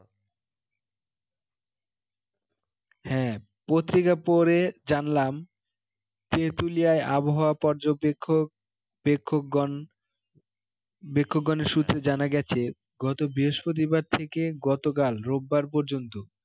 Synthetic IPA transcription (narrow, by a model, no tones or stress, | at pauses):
hɛ̃ | pot̪ːɾikapoɾed͡ʑanlam | t̪et̪ulijaeʔaboɦaoapɔɾd͡ʑobkʰːo | ekʰːon | bekʰːoɡːɔneɾʃut̪ːɾed͡ʑanaɡɛt͡ɕʰe | ɡɔt̪obiɦoʃpɾot̪̬ibaɾt̪ʰekeɡɔt̪ok̬alɾobːaɾpoɾd͡ʑont̪o